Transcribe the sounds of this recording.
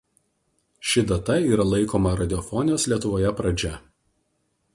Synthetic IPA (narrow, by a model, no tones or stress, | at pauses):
ʃʲɪd̪ɐt̪ɐiːɾɐlˠɐɪkoːmɐɾɐd̪ʲɪɔfɔnʲɪjoːslʲiɛt̪ʊʋoːjɛpɾɐd͡ʒʲɛ